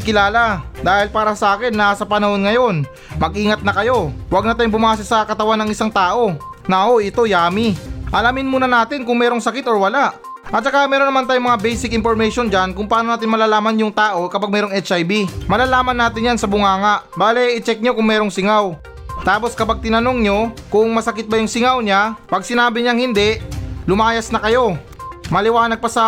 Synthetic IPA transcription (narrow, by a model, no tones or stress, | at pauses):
kɪlaːlad̪aːhɪlpaːɾɐsɐʔaːkɪnːasɐpɐnɐho̞nŋɐjo̞n | mɐɡʔiːŋɐt̪̚nɐkɐjo̞wɐɡ̚nɐt̪aːjʊŋbʊmaːs̬ɐsɐkɐt̪ɐwanːɐŋɪsaŋt̪aːʔo̞nɐʔɐʔo̞ʔɪt̪o̞jaːmɪʔɐlamɪnmuːnɐnaːt̪ɪnkʊŋmɛːɾoŋsɐkɪt̪o̞ɹwɐlaʔ | ʔɐt̪̚t͡ʃɐkamɛːɾonɐmant̪ajʊŋmɐŋabɛjsɪkʔɪnpoɾmɛjʃo̞nd͡ʒankʊŋpɐaːnonaːt̪̬ɪnmɐlaːlaːmɐnjʊŋt̪aːʔo̞kɐpaɡ̚mɛːɾoŋʔɛt͡ʃʔajbimɐlaːlaːmɐnːaːt̪ɪnɲjansɐbʊŋaːŋɐʔbaːlɛʔɪt͡ʃɛk̚ɲokʊŋmɛːɾo̞ŋsɪŋaw | t̪aːpo̞skɐpaɡ̚t̪ɪnɐno̞ŋɲo̞kʊŋmɐsɐkɪt̪̚bɐjʊŋsɪŋawɲapɐɡ̚sɪnaːbɪɲaŋhɪnd̪ɛʔlʊmaːjɐsnɐkɐjo̞ | mɐlɪwaːnɐɡ̚pɐsɐ